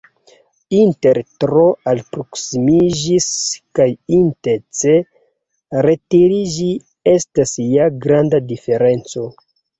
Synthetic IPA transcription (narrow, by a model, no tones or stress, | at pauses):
inte̞ɾtɾoalpɾo̞ksimid͡ʒiskajinteɾt͡se | ɾe̞tiɾid͡ʒi | e̞stasjaɡɾandadife̞ɾe̞nt͡so̞